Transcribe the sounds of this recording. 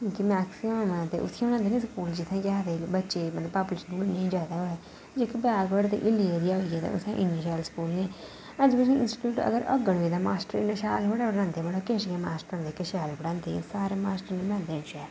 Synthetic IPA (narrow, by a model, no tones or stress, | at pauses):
kĩːkimɛːksɪmmt̪ḛːʔʊ̰t̪ʰːãːbəɽ̃ãːnd̪eːnẽːskuːld͡ʒɪt̪ʰːẽːd͡ʒaːt̪eːbətːʃeːəpaːpuleːʃənbʊlnẽːĩd͡ʒaːd̪aːɦoːɛː | d͡ʒoːkibɛːɡʋəɽt̪ḛːʔɪled̪iːaoiɡaːt̪ḛːʊ̰t̪ʰã̰ːʔɪniʃaːlskuːlnẽː | əd͡ʒbət͡ʃẽːɪnsʈi̥ʈuːʈə̰ɡəɾə̰ɡəɽʋiːd̪aːmaːsʈəɾɪ̰nəʃaːlɦoːɽaːbəɽãːnd̪eːbəɽoːkeːʃɡẽːmaːsʈəɾd̪eːkəʃaːlːbəɽãːnd̪ḛːsaːɾeːmaːsʈəɾneːbəɽãːnd̪eːnt͡ʃɛː